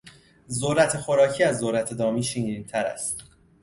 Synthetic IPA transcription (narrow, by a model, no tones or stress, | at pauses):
zoɾæt̪ʰe̞xo̞ɾɒːcʰiːæzːoɾæt̪ʰe̞d̪ɒːmiːʃiŋɾiːnt̪ʰæɾæ̰st̪